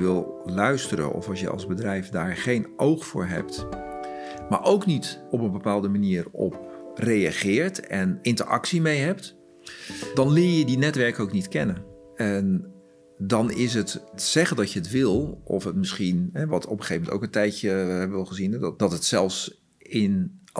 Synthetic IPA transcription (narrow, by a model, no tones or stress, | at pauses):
ʋɪlˠlœɥstəɾə̰nʔɔ̰fɑlsjə̰ɑ̰lˠzbədrɛjfdaːɹχejnʔowχfʊ̰ːɹɦɛ̰p̚t | ma̰ɹʔowknitɔpənbəpaːlˠdəmaniːərɔ̰p̚ | rejaχɪːɹtɛnɪntə̰ɹɑ̰ksimejɦɛp̚t | dɑnlɪːɹjədinɛtʋɛɹkəowknitkɛnən | ɛn | dɑnɪs̬ɦətsɛχəndɑcjəətʋɪlˠɔfətmɪsχinɦɛʋɑtʰɔpχəχejəmɛnto̰wkəntɛjcəɦɛbəʋɛlˠχəzindd̥ɑtɦətsɛlˠfs | ɪn